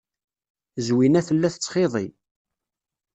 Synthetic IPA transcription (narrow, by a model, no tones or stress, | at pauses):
zwinæθəlːæθt͡sːχeðˤḭ